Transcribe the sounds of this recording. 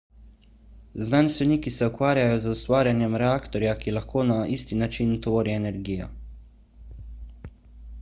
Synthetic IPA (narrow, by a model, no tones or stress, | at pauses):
znaːnst̪ʋɛniːkisɛukʋaːɾjajɔzust̪ʋaːɾjanjɛmɾɛaːkt̪ɔɾjakilaxkoːnaʔiːst̪inat͡ʃint̪ʋoːɾiɛnɛɾɡiːjɔ̰